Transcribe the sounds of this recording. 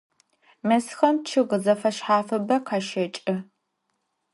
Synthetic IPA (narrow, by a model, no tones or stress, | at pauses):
mɐsxɐmt͡ʃʰɨʁəzɐfɐʃħaːfɐbɐqʰɑːʃɐt͡ʃʼɨ